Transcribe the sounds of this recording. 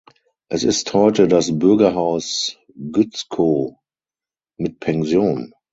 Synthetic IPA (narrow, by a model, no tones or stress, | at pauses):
ʔɛsɪsthɔʏtədasbʏɐɡɐɦaʊs | ɡʏt͡skʰoː | mɪt̚pʰɛnzjoːn